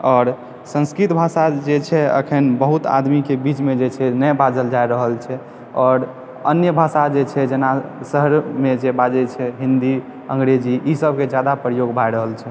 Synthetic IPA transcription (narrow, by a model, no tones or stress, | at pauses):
ɔːɾ | sə̃nskɾit̪bʱasad͡ʒet͡ʃʰɛə̰kʰənbəɦut̪a̰d̪mikebit͡ʃmed͡ʒet͡ʃʰɛnəjbad͡ʒəld͡ʒajɾəɦəlt͡ʃʰɛ | ɔːɾ | ə̰njəbʱasad͡ʒet͡ʃʰɛd͡ʒenasəɦəɾmed͡ʒebad͡ʒəlt͡ʃʰɛɦĩnd̪i | ə̰ŋɡɾed͡ʒiʔisəb̚ked͡ʒjad̪apɾəjoɡbʱajɾəɦəlt͡ʃʰɛ